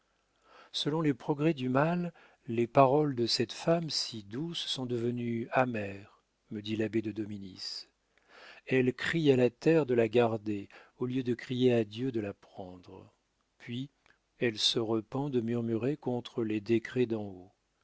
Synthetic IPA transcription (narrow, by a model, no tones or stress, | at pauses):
səlɔ̃lepχɔɡʁɛd̪ymalː | epaʁɔld̪əsɛt̪famsid̪usːɔ̃d̪əvənyamɛʁ | məd̪ilabed̪əd̪ɔminis | ɛlkχialat̪ɛʁd̪əlaɡaʁd̪eoljød̪əkχijead̪jød̪əlapχɑ̃d̪ʁ | pɥi | ɛlsəʁəpɑ̃d̪əmyʁmyʁekɔ̃t̪χəled̪ekχɛd̪ɑ̃o